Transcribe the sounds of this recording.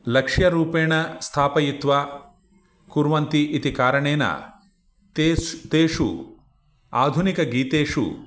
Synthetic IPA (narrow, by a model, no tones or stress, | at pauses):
lɐkʂjɐɾuːpeːɳɐst̪ʰaːpɐjit̪ʋaː | kuɾʋɐnt̪iʔit̪ikaːɾɐɳeːnɐ̰ | t̪et̪eːʂṵ | aːd̪ʱunikɐɡiːt̪eːʂṵ